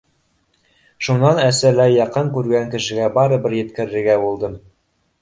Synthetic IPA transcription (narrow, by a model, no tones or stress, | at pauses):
ʃunːɑnæsɘɾlæjɑqɤŋkʉɾɡæŋkɘ̆ʃɘ̆ɡæbɑɾɤbɘɾjɘ̆t̪kɘ̆ɾɘ̆ɾɡæbulˠd̪ɤm